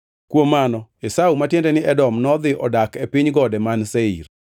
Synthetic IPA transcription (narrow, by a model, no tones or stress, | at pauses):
kwomanɔesaumatjendɛnɪʔɛdɔmnɔd̪ɪʔɔ̰dakepɪɲɡɔdɛmanseḭr